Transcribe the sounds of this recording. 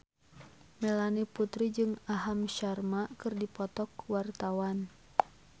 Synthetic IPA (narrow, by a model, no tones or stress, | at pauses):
mɛlaniput̪ɾid͡ʒɨŋaɦamʃarmakɨrdipɔt̪ɔkwart̪awan